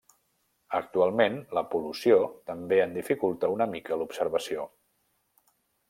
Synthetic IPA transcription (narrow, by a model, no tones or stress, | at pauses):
ək̚t̪ualˠmenləpulusiot̪əmbeənd̪ifikulˠt̪əunəmikəlupsəɾβəsio